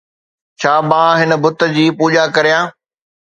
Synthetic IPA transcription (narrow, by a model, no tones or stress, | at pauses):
t͡ɕʰaːmãːɦɪnə̆bʊt̪ə̆d͡ʑiːpuːʄakɐɾijãː